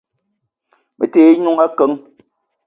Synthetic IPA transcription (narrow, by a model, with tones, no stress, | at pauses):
mḛ˨teː˦ɲu˦ŋa˦kə˨˦ŋ